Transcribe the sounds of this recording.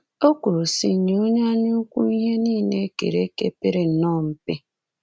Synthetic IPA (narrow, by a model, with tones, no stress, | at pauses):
o˦ku˨ɾu˨si˦˨ɲ˨˦o˦ɲa˦a˦ɲʊ˦kʷu˦i˦ɦe˦niː˦˨ne˦kḛ˨ɾe˦ke˦pe˦ɾe˦n̩˨nɔ˦m̩˨pɪ˦